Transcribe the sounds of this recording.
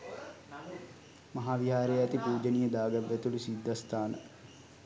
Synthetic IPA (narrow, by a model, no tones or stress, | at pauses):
maɦaːʋiɦaːɾejæt̪ipuːd͡ʒənijəd̪aːɡaʋːæt̪ulusid̪ʱːast̪aːnə̰